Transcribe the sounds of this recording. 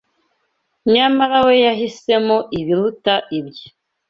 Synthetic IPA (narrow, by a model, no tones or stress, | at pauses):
ɲamaɾawe̞jaɦise̞moʔiβiɾutaʔibji